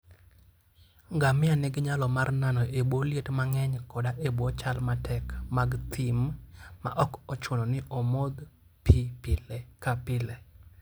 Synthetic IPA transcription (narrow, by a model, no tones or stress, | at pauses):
ŋɡamɪanɛɡɲalɔmarnanɔʔeboljetmaŋɛɲkɔdaʔebwɔt͡ʃalmatʰɛkmaɡt̪ʰɪmma̰ʔɔkɔt͡ʃonɔnɪʔɔmod̪ | pipɪlkapɪle